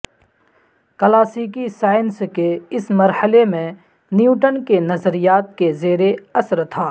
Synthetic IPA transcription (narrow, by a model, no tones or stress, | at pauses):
kəlaːsiːkisaːɪnskeɪsmɐɾhəlemẽ | njuːʈənkenɐzəɾijaːt̪̚kezeːɾeɐsəɾt̪ʰaː